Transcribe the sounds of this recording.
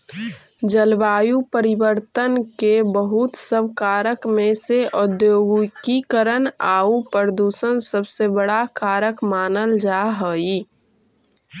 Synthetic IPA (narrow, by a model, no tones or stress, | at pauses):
d͡ʒəlbaːjupəɾɪwəɾt̪ənkebəɦʊt̪səbʱkaːɾəkmẽseʔʊd̪joːɡkikəɾənaːupəɾd̪uːsənsəbsebəɽakaːɾəkmaːnəld͡ʒaːɦəi